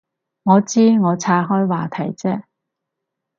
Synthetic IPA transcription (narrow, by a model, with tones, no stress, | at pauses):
ŋɔː˨˧t͡siː˥ŋɔː˨˧t͡sʰaː˧˥ɦɔː˥jwaː˨t̪ʰɐ˨˩jt͡sɛː˥